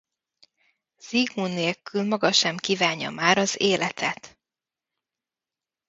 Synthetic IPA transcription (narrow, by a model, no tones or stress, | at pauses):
z̥iɡmunːeːlkylmɒɡɒʃɛmkiːvaːɲːɒ̰maːɾɒzeːlɛt̪ʰɛt̪